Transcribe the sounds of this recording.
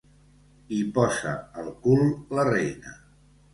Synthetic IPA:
ipɔzə̰ːlˠkulˠlərejnə̰

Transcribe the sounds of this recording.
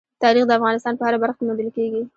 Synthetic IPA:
t̪ɑɾixd̪əafɣɑnɪs̬t̪ɑnpəhaɾabaɾxkemond̪əlkeɡi

